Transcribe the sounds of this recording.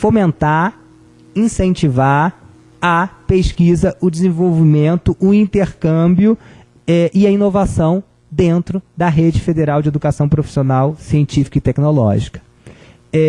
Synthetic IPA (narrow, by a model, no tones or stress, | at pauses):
fomẽnt̪a | ĩsẽnt͡ʃivaɾ | ɐpeʃkizɐʔʊd͡ʒɪzẽvowvimẽnt̪ʊʔːĩnt̪eɾkɐ̃bijʊ | ɛʔɪɐinovasɐ̃w̃ | d̪ẽnt̪ɾʊd̪ɐɦed͡ʒɪfed̪eɾawd͡ʒɪed̪ukasɐ̃w̃pɾofi̥sionawsiẽnt͡ʃifi̥kɐɪt̪ɛknolɔ̰ʒikɐ̥ | ɛ